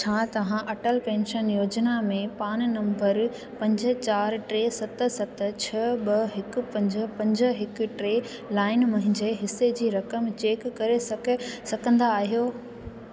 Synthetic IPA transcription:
t͡ɕʰaːt̪ɐʋ̤ãʔɐʈəlpẽːnʃənjoːd͡ʑnamẽpaːñnɐ̃mbəɾ | pɐ̃ɲd͡ʑə̆t͡ɕaːɾʈɾeːsɐt̪sɐt̪t͡ɕʰɐɓɐɦɪkʊ̆pɐ̃ɲd͡ʑpɐ̃ɲd͡ʑəɦɪkʈɾeː | laːɪnmɐɦɪ̃ɲd͡ʑeɦɪsed͡ʑiːɾɐkəmt͡ɕeːkːɐɾesɐsɐɡʱə̃nd̪aːɦijoː

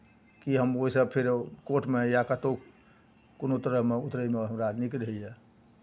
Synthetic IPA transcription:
kiɦəmoɦisəbpʰiɾkoʈmejakat̪o | konot̪əɾəɦmeut̪ɾəimeɦəmɾanikɾɦjɛ

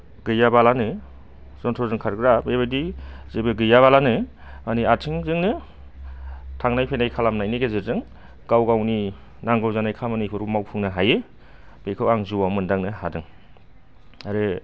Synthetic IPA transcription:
ɡɯjabalanɯ | z̥ɔntʰɔzɯŋkʰaɾɡɯɾabebɯdizebɯɡɯjaβalanɯ | maniatʰiŋzɯŋnɯ | tʰaŋnajpʰenajkʰalamnajniɡezezɯŋ | ɡawɡawni | naŋɡɯwzanajkʰamanipʰɯɾumawpʰɯŋnɯɦaje | b̥ekʰɯwaŋzuwamɯndaŋnɯhadɯŋ | aɾɯ

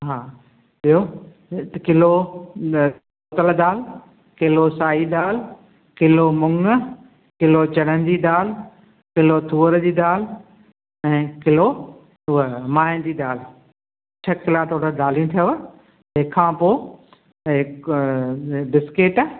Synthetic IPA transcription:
ɦaː | ijo | kɪlo | oːt̪əld̪aːl | kɪlosaːid̪aːl | kɪlomʊŋ | kɪlot͡ɕɐɽənɪ̆d̪iːɗ̪aːl̤ | kɪlot̪ʰuːəɾd͡ʑiːd̪aːl̤ | ɛ̃ːkɪlo | ʊmãːnd̪iːd̪aːl̤ | t͡ɕʰɐkɪlat̪ʰoːɽəɗ̪aːl̤ijũt̪ʰijoʋ | ɪkʰːãːpoː | ɖɪskeːʈ

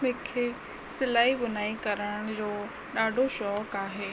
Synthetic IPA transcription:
mẽːkʰe | sɪlaːibʊnaːikɐɾəɽɽ̃d͡ʑoː | ɗaːɖʱoʃɔːkaːɦeː

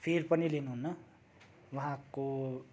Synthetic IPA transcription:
pʰerpʌnilenuɦunːʌ | waɦãko

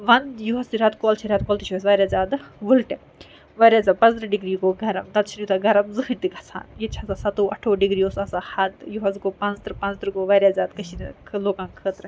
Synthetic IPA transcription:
ʋɐnd̪juɦɐsiɾɐt̪koːlt͡ʃʰiɾaːt̪̚koːlt̪it͡ʃʰuɐs̬ʋaːɾʲjaːzaːd̪ʋulʈe | ʋaːɾʲjaːzaːpɐ̃nzɾɐɖiɡɾiːɡoːɡʱɐɾɐmt̪ɐt̪t͡ʃʰinjut̪aɡɐɾɐmzɨkɨnt̪iɡʱɐt͡sʰa̰ːnjet͡ʃʰasasɐt̪oːɐ̰ʈʰoːɖiɡɾiːoːsasahɐd̪juɦɐzkoːpɐ̃nt͡st̪ɾɨpɐ̃nt͡st̪ɾɨɡoːʋaːɾjaːzaːd̪kɐʃʰinkʰloːkãːnkʰəːt̪ɾɐ

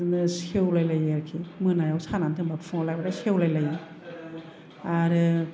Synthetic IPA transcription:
nɯsewlajlajaɾkʰimɯnajawsʰanantʰɯŋbafʰɯŋalajbadasewlajlajɯ | aɾɯ

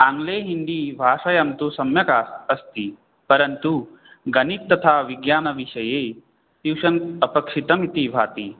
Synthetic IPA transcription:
ãːŋɡleːɦind̪iːbʱaːʂɐjɐmt̪usɐmjɐkaːsɐst̪i | pɐɾɐnt̪u | ɡɐnit̪ːɐt̪ʰaːʋiɡjaːnɐʋiʃɐjeː | t̪iwʂɐnɐpɐkʂit̪ɐmit̪ibʱaːt̪i

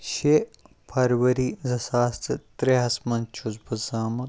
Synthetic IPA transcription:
ʃe | pʰɐɾʋɐɾiːzɐsaːst̪ɨt̪ɾeɦɐsmɐnt͡ʃʰuzbɐzaːmɐ

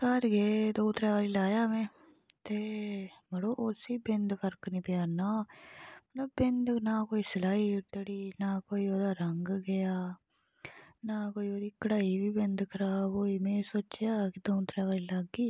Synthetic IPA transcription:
kəɾɡeːd̪õːt̪ɾaːʋaːɾiːlaːjaːmɛ̃ː | t̪eːməɽoːʔʊsiːbɪnd̪pʰəɾknĩːpjaːnaːmət̪ləbːɪnd̪naːkoːiːsəlaːiːʈəɽiːnaːkoːiːoːd̪aːɾəŋɡɡɪjaː | naːkoːiːoːd̪iːkəɽaːiːʋiːbɪnd̪kʰəɾaːboːiːmɛ̃ːsoːt͡ʃjaːkɪd̪õːt̪ɾaːʋaːɾiːlaɡiː

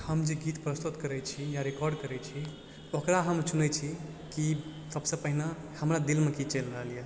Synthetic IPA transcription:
həmd͡ʒeɡit̪pɾəst̪ut̪kəɾɛt͡ʃʰijaɾekɔɾɖkəɾɛt͡ʃʰi | okɾaɦəmsunɛt͡ʃʰi | kisəbsə̃pəɦina | həmɾad̪ilmekit͡ʃelɾəɦəlije

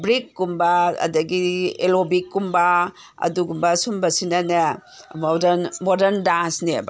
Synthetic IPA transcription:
bɾikːumbaɐ̰dɐɡielobikːumba | ɐ̰duɡumbɐsumbɐsinɐnɐ | modɐnmodɐɾndansnḛba

